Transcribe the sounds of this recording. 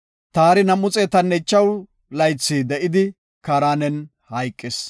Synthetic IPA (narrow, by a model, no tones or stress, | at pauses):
t̪aːɾɪnɐmːʊt͡sʼeːt̪ɐnːɛt͡ʃːɐw | lɐjt͡sːiːd̪ɛʔɪd̪ɪ | kaːɾaːnɛn | hɐjkʼːɪs